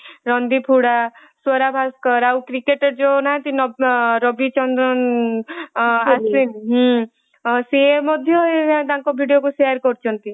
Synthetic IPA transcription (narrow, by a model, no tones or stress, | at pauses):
ɾɔnd̪ipʰuɽa | sɔɾabʱaskɔɾawkɾikeʈɔɾd͡ʒonaãt̪inɔɾɔbit͡ʃɔnd̪ɾɔn | asinɦ | siemɔd̪ʱjɔeat̪aŋkɔbʱiɽijokusejaɾkɔɾt͡ʃʰɔnt̪i